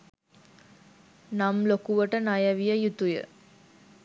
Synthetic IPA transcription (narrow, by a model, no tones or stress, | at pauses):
namlokuʋəʈənajəʋijəjut̪ujə̰